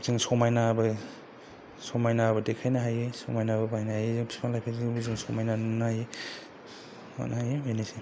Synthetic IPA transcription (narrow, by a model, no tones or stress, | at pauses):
z̥iŋsɔmajnabɯ | sɔmajnabɯdekʰajnaɦajesɔmajnabɐbajnahajezɯŋbi̥spʰalajpʰebuzɯŋsɔmajnanunaje | ɔ̰nahajebenisi